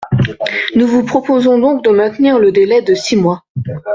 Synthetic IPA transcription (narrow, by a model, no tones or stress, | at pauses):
nuvupχɔpozɔ̃d̪ɔ̃k̚d̪əmɛ̃t̪niʁləd̪elɛd̪əsimwa